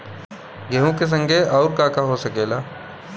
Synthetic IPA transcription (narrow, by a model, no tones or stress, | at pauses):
ɡʱeːɦõkes̬ɐ̃ŋɡʱeɔːɾkaːkaɦosɐkeːlaː